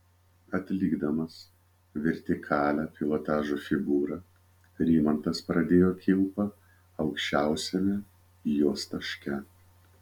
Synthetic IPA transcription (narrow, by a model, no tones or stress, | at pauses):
ɐt̪ʲlʲiːɡd̪ɐmɐs | ʋʲɛɾʲt̪ʲɪkʰɑːlʲæpʲɪʋot̪ɑːʒufʲɪɡuːɾɐ | ɾʲiːmɐnt̪ɐspɾɐd̪ʲeːjoːkʲɪlpɐ | ɐʊkʃʲt͡ʃʲæˑʊsʲɛmʲɛ | juɔst̪ɐʃʲkʲɛ